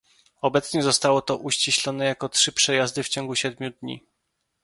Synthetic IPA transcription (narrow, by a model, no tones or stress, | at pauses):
ɔbɛt̪sɲɛzɔst̪awɔt̪ɔʔuɕt͡ɕiɕlɔnɛjakɔtʂɘpʂɛjazd̪ɘft͡ɕɔ̃ŋɡuɕɛd̪̚mʲjud̪ɲḭ